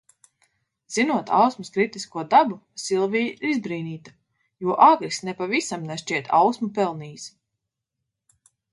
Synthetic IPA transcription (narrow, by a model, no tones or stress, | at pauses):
z̥inuɔt̪ʰa̰wsmuskɾit̪iskuɔd̪abu | silˠvijizbɾiːniːt̪ḁ | juɔʔaːɡɾisnɛpavisamnɛʃt͡ʃiɛt̪a̰wsmupɛlˠniːs